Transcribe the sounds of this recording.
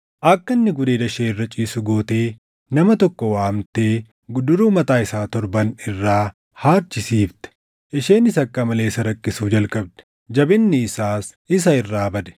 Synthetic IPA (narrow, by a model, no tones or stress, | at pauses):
ʔɐkːɐnːɪɡʊd̪eːd̪ɐʃeːɪrːɐt͡ʃʼiːsʊɡo̞ːt̪e̞ː | nɐmɐt̪ɔkːɔwaːmt̪eː | ɡd̪ʊɾuːmɐt̪aːɪsaːt̪ɔɾbɐnɪrːaː | haːɾt͡ʃːɪsiːft̪ɛ̥ | ʔɪʃeːnɪsɐkːɐmɐle̞ːsɐɾɐkːɪsuːd͡ʒɐlkʼɐb̚d̪ɐ̥ | d͡ʒɐbɪnːɪːsaːs | ɪs̬ɐɪrːaːbɐd̪ɛ̥